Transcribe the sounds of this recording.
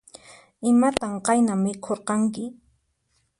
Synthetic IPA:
ɪmat̪amqɑjnamːɪkʰoɾqɑŋkɪ

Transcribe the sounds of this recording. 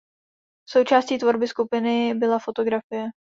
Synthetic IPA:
so̞wt͡ʃaːsciːt̪vo̞ɾbɪskupɪnɪbɪlafo̞t̪o̞ɡɾafɪjɛ

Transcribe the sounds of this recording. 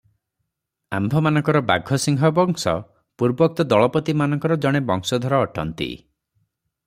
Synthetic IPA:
a̰mbʱɔmanɔŋkɔɾɔba̰ɡʱɔsiŋɦɔbɔŋsɔ̰ | puɾbɔk̚t̪ɔd̪ɔɭɔpɔt̪imanɔŋkɔɾɔd͡ʒɔɽ̃ebɔŋsɔd̪ʱɔɾɔːʈɔ̰nt̪ḭ

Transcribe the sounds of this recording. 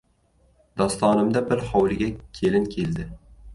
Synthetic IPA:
d̪̥ɒst̪ɒːnɪmd̪abɪɾhɒwlɪɡʲakʲʰe̞lɪnkʲʰe̞ld̪ɪ

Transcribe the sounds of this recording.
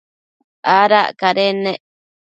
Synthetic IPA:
ʔaɾaʔkaɾeneʔ

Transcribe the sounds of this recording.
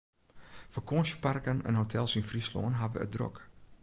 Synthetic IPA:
fɔkʰoːnʃəparkənə̰nhotʰɛlˠsinfrislo̰ːnɦaʋə̰ə̰dro̰k

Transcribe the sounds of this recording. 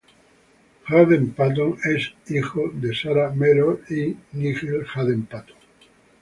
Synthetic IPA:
xaðempat̪̬oŋesixoðesaɾameɾoinixelxaðempat̪oŋ

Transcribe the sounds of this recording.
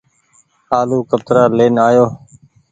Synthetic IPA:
aːluːkəbt̪ɾaːleːnaːjoː

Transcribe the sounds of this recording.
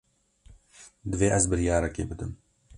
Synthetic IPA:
d̪ɨveːʔɛzbɨɾjɑːɾɛkḛːbɨd̪ɨm

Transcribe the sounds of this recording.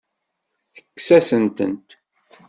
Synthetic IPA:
θə̥kːsæsənt̪ə̰nt̪

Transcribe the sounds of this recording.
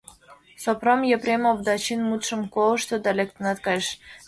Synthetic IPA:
sopromjeprʲemobd̪ɑt͡ɕinmut̪ʃə̆mkolˠəʃt̪od̪ɑlʲek̚t̪ə̆nɑt̪kɑjʃ

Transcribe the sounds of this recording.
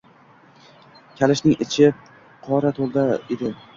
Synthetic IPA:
kʲʰalɪʃnɪŋɪt͡ʃʰɪ | qʰɒɾat̪ʰolˠd̪aed̪ɪ

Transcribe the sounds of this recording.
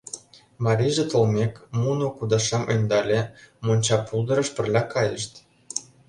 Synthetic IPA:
mɑɾʲiʒet̪ŏlmʲekmunokud̪ɑʃemʔə̰nʲd̪ɑlʲemonʲt͡ɕɑpulˠd̪ɤ̆ɾɤ̆ʃpə̆rlʲɑkɑjə̰̆ʃt̪

